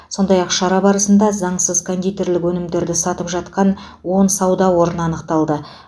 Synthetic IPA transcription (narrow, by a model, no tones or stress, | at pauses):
so̞nd̪ɑjɑqʃɑɾɑbɑɾəsənd̪ɑzɑɴsəzkʰond̪ʲut̪e̞ɾlɪkwɵnɪmd̪e̞ɾd̪ɪsɑt̪əpʒɑt̪qɑn | wo̞nsɑwd̪ɑwo̞ɾənɑnəqt̪ɑlˠd̪ə